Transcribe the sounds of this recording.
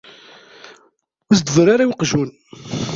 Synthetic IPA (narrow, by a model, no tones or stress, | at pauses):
ʊsd̪vɾˤaɾawqʒun